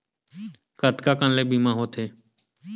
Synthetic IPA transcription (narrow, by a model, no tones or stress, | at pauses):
kət̪kaːkənleːbiːmãːɦoːt̪ʰeː